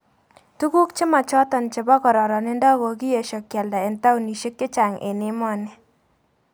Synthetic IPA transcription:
tu˦ku˦kt͡ʃɪ˦ma˨t͡ʃɔ˦t̪ɔ˨nt͡ʃɪ˨bɔ˦kɔ˨ɾɔ˨ɾɔ˨nɪ˦ndɔ˦ɡɔ˨ɡɪ˦je˨ʃɔ˨kjɛ˨lda˨ɪ˨nta˦u˨ni˨ʃe˦kːɪ˦t͡ʃa˨ŋɪ̰˨nɪ˦mɔ˦nɪ˨

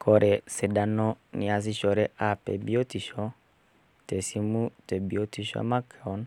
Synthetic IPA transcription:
kɔ˨ɾɛ˨sɛ˨da˨nɔ˦ni˨a˨s̬i˦ʃɔ˨ɾɛ˦ʔa˨pɛ̰˨bi˦o˦ti˨ʃɔ˦ | tɛ˨si˦mu˦tɛ˨bi˨o˦ti˨ʃɔ̰˦ma˦kɔ˨˦n

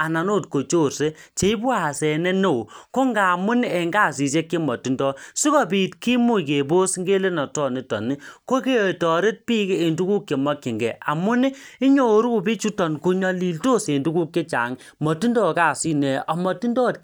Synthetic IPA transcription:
a˨na˨no˦˨t̚ko˨t͡ʃo˦˨rse˦t͡ʃe˨i˦pwa˦˨sɛ˨nɛ˦no˦˨ko˦ŋɡa˨mu˦n˦e˨ŋɡa˦˨si˨s̬e˦kːe˦mɔ˨ti˦ndɔ˦si˦kɔ˦pi˨tki˦mu˦ke˨bo˦sŋɡe˦le˦nɔ˨tɔ˦˨ni˨˦tɔ̰˨ni˦ko˦ke˦˨tɔ˨ɾe˦t̚pi˦keː˦˨ndu˦ku˦kje˨mɔ˦kːi˨ŋɡɛ̰˨a̰˨mʊ˦n˦ɪ˦ɲo˨ɾu˦ku˨bi˦t͡ʃu˦tɔ˨nku˨˧ɲɔ˦li˨lto˦se˨ndu˦ku˦kje˦t͡ʃa̰˨ŋ | mɔ˨ti˦ndɔ˦˨ka˨si˦nɛ˨ɔ˨mɔ˨ti˦ndɔ˦t

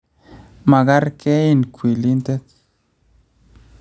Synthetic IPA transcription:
ma˨ɡa˦ɾkɛ˦i˦˨nkʰʷwi˨li˦nte˦k̚

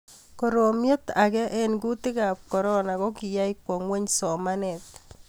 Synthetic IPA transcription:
ko˨ɾo˨mje˦t̪a˨ɡɛ˦ʔe˦nɡu˦t̪ɪ˦ɡa˨p̚kɔ˨ɾɔ˦na˨ɣɔ˦kɪ˨ja˦i˦kwɔ˨ŋwe˦ɲsɔ˨ma˦nɛ˨t̪

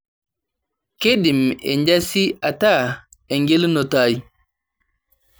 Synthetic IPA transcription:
ke˦di˨mɛ̰˨ɲɟasi˦a˨ta˦ | e˨ŋɡe˦lno˨taːj

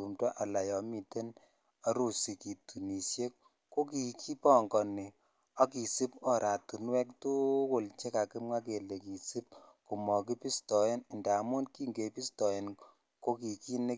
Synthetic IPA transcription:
u˨mtwɔ˦ʔa˨la˨jɔ˨mi˨te˦n | a˦ɾu˦si˨ki˨tu˨ni˨sje˦k | ko˦ki˨kʰi˦pɔ˦˨ŋɡɔ˨ni˨ | ɔ˦ki˨si˦p̚ɔ˨ɾʔa˨tu˨nwɛ˦k̚tu˦kʊ˦˨lt͡ʃe˦ka˨ki˦mŋa˦ke˨le˨ki˨si˦p̚ku˨mɔ˨ki˦pi˦stɔ˨je˦nɪ˨nda˨˦mu˦nki˦ŋɡe˨pi˦stɔ˨je˨n | ko˦ki˨ki˦ne˦

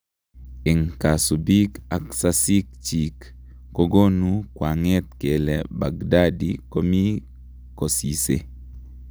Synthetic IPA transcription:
ɪ˨ŋka˨su˨bi˦ka˨ksasi˦k̚t͡ʃikː | o˦ɡo˦nu˦kwa˨ŋɛ˦t̪̚ke˨lɛ̰˨ba˨ɡda˦dḭko˦mi˦ | ko˨si˨se˨

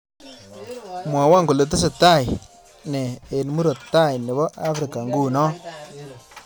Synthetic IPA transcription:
mwa˨wa˦˨ŋku˨le˨t̬e˦s̬e˨ta˦˨j | nɛ˨e˨nmu˦ɾo˨tːa˦˨jne˨βɔ˦ʔa˦fɾɪ˨ka˨ŋɡu˦˨nɔ˦

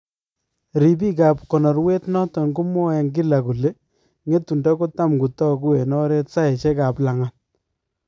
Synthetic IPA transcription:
ɾi˨b̬i˦ka˨p̚kɔ˨nɔ˨ɾwe˦tnɔ˦tɔ˨ŋɡu˦mɔ˦ɛ˨ŋɡi˦la˨ku˨le˦ | ŋe˦tu˨nda˦ko˦ta˦mku˨tɔ˦ku˦e˨nɔ˦ɾe˦tsa˦ɛ˨t͡ʃɛ˦ka˨pla˨ŋa˨t̚

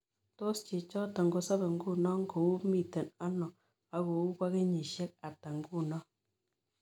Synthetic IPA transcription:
to˦st͡ʃe˨t͡ʃɔ˦ta˨ŋɡo˦sa˦be˨ŋ̩˦ɡu˦˨nɔ˦ŋ̩˦ɡo˨u˦mi˦˨te˨na˦nɔ˨ | a˨ɣo˨u˦bʷa˦ɡe˦ɲi˨ʃe˦k̚a˨ta˨ŋ˦ɡu˦˨nɔ˦

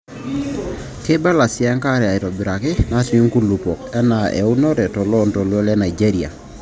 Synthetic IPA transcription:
te˦ba˦la˨si˦ɛ˦ŋka˦ɾɛ˨a˨i˨tɔ˨bi˨ɾa˨kɪ˦na˦ti˨u˦ŋku˦lu˨pɔ˨kɛ˦na˨ʔɛ̰˨u˦nɔ˦ɾɛ˨tɔ˨lɔ˦ntɔ˨lwɔ˦lɛ˦na˨i˨d͡ʒe˦ɾi˨a̰˨

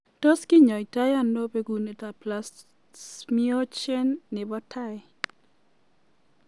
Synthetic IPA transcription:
to˦skɪ˦ɲɔ˨i˨ta˦ja˦ndo˦pe˦ɡu˨ne˨ta˨plas | mio˦t͡ʃe˦nːɪ˨bɔ˦tʰa˦j

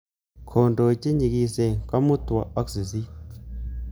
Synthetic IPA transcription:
kʰo˨ndo˨t͡ʃi˦ɲi˨ki˨se˨ŋka˦mu˦ta˨a˦ksi˨si˦

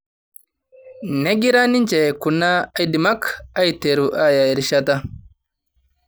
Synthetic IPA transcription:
ne˦ɡi˦ɾa˦ni˦nt͡ʃe˨ku˨nːa˦a˦jdi˨ma˦ka˦jt̪e˨ɾu˨ʔa˦ja˨ɛ˨ɾʃa˦t̪a˦

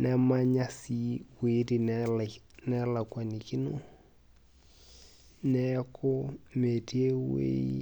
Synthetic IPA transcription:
nɛ˦ma˦ɲa˦si˦wi˨˦di˨ | nɛ˦la˨kwa˨ni˨ki˦no˦ | nɛ˦kʰʊ˦me˨ti˦e˦wḛ˦

